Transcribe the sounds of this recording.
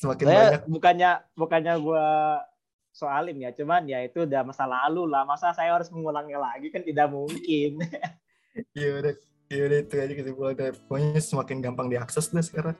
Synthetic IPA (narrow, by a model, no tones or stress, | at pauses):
səmakɪsabaɲak̚bukaɲabukaɲaɡua | soalɪmjat͡ʃumanjait̪udamasalalulahmasasajaaɾʊsməŋulaŋɲalaɡikant̪idaʔmuŋkɪn | ijadɛ | ijudɛit̪uad͡ʒikətipuladaoɲsəmakɪnɡampaŋdiaksɛsdasə̥kaɾaŋ